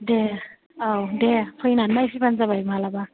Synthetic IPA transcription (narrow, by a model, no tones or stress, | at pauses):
de | awdepʰɯjnanmajpʰibanzabajmalaba